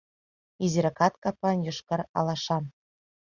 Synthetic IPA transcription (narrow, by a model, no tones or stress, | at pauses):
iziɾɤkɑt̪kɑpɑnjŭʃkɤ̆rɑ̰lˠɑʃɑn